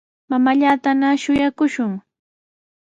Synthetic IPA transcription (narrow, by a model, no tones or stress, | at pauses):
mamaʎaːt̪anaʃʊjakʊʃʊŋ